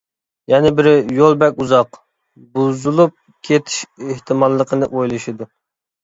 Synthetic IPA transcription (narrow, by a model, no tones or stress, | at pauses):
jɛnɪbɪɾjolˠbɛkʲuzɑq | buzulˠup̚ | kʲʰet̪ʰi̥ʃeht̪ʰɪmɑlˠːəqʰənɨʔojlˠɨʃid̪u